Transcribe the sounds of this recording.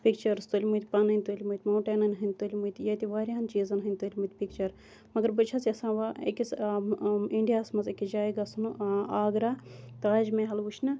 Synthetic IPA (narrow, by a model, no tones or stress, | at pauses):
pikt͡ʃɐɾst̪olʲmujt̪ʲpanɐnʲt̪olʲmut̪ʲmɐːʈenɐnɦɨnʲt̪olʲmujt̪ʲjɐt̪ʲiʋaːɾʲiɐnt͡ʃiːzɐnɦɨnʲt̪oːlʲmɨt̪ʲpik̚t͡ʃɐɾ | mɐɡəɾbɨt͡ʃʰasʲiɐsãːʋaḛkʲis | iɳɖijaːsmɐzekid͡ʒaːjɡasunuaːɡɾaːt̪aːd͡ʒmẽɦɐlut͡ʃʰnɐ